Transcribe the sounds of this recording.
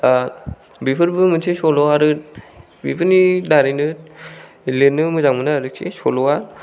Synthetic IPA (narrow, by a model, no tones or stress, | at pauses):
bipʰɯɾbɯmɯnsʰesɔlɔaɾɯ | bipʰɯnidaɾinɯ | lenɯmɯzaŋmɯnɯaɾɯksʰḭsɔ̰lɔwa